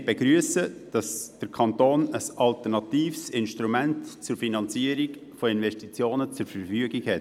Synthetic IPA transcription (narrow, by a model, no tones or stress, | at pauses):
beɡɾyəsəd̥ɑsd̥əɾkʰɑntoːnəsɑlt̪əɾnɑtiːfsɪnʃtɾumɛntt͡sʊɾfinɑnt͡siəɾikfoɪnʋɛʃtit͡sjoːnət͡sʊɾfəɾfyəɡikhɛt